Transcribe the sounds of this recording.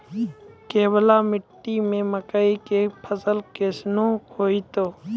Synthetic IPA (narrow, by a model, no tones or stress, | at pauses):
keːbəlaːmɪʈːimẽːməkaikeːpʰəsəlkeːsnõːkoːiːt̪oː